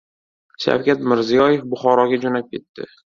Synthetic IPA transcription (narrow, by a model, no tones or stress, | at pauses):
ʃa̰wkʲat̪mɪɾzijɒjefbʊχɒɾɒɡʲad͡ʒonap̚kʲʰe̞t̪ːɪ̰